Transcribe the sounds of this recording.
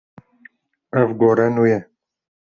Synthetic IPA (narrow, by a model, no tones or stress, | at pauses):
ɛvɡoɾɛnujɛ